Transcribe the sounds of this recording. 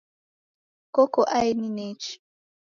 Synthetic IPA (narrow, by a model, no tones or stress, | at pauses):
kokoʔaininet͡ʃ